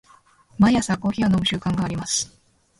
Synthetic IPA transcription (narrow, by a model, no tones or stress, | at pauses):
majasãkoːçʲianomɯ̟ɕɨːkãŋɡaːɾʲimasɨ̥